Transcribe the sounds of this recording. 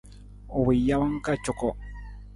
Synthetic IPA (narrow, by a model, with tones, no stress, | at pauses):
ʊ˨wɪ˨ja˦wa˦ŋka˦t͡ʃo˨ko˨